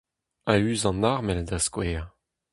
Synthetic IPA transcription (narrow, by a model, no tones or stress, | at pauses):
ayːzɑ̃naʁmɛlad̪askweː